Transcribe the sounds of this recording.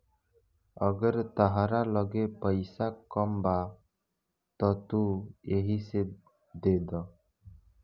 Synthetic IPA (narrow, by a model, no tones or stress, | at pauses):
əɡəɾt̪aɦaɾalɔɡepəjsakɔmba | t̪ɔt̪ueɦiseb̚ | d̪ed̪ɔ